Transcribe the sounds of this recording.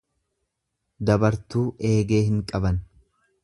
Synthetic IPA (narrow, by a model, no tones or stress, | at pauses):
d̪ɐbɐɾt̪uːʔe̞ːɡe̞ːhɪŋkʼɐbɐn